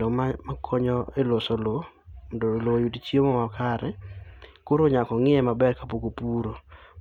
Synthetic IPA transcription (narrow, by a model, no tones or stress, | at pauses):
omamakʰɔɲɔelosolondolojutit͡ʃiemomakaɾɛkoɾoɲakɔŋɪɛmabɛrkapokopuɾo